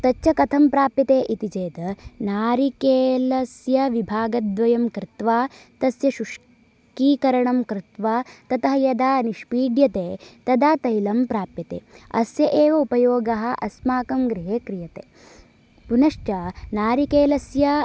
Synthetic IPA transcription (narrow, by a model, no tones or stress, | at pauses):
t̪ɐt͡ʃːt͡ʃːɐkɐt̪ʰɐmpɾaːpjɐt̪eːʔit̪id͡ʒeːt̪ɐnaːɾikeːlɐsjɐʋibʱaːɡɐd̪ʋɐjɐmkɾɪt̪ʋaːt̪ɐsjɐʃuʂ | kiːkɐɾɐɳɐmkɾɪt̪ʋaːt̪ɐt̪ɐɦɐjɐd̪aːniʃpiːɖjɐt̪eːt̪ɐd̪aːt̪ɐjlɐmpɾaːpjɐt̪ḛːɐ̰sjɐʔeːʋɐupɐjoːɡɐɦɐ̆ʔɐsmaːkɐmɡɾiɦeːkɾijɐt̪eː | punɐʂʈɐnaːɾikeːlɐsjɐ